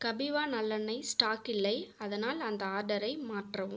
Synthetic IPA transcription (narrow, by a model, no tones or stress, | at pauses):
kɐbɪʋaːnɐlːɐnːɐɪsʈaːkɪlːɐɪɐðɐnaːlɐnd̪ɐaːɾɖɐɾɐɪmaːʈrɐʋɯ̰̃m